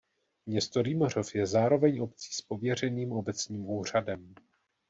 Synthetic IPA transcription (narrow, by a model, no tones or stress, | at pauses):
mɲɛst̪oɾimor̝ofjɛzaːɾo̞vɛɲo̞pt͡si̥ːspo̞vjɛr̝ɛniːmo̞bɛt͡sɲiːmuːr̝̥adɛm